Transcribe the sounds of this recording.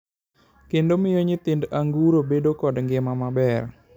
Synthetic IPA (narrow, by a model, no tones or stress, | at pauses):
kendomijoɲit̪indəʔaŋɡuɾobeɖokɔɖəŋɡemamabɛr